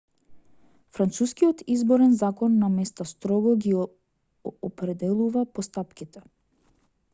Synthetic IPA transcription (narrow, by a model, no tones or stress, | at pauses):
fɾant̪suskijɔt̪izbɔɾɛnzakɔnːamɛst̪ast̪ɾɔɡɔɡi | ɔpɾɛd̪ɛlˠuvapɔst̪apkʲit̪ɛ